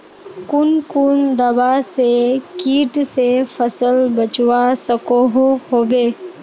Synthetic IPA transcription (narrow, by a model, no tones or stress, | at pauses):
kʊnkʊnd̪ɐbasekiːʈsefʰəsəlbət͡ʃwasəkoɦhoːʋeː